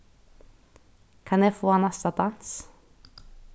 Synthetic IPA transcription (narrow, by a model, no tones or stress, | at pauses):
kʰɑnjæfoːɑnɑst̪ɑd̪ɑns